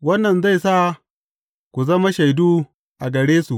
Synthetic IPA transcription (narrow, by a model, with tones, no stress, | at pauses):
wɐ˦nːɐ˨nza˦˨jsa˦˨ | kʷu˨zɐ˦ma˦ʃa˨jduː˦ | ʔa˨ɡɐ˨ɽeː˦su˨ʔ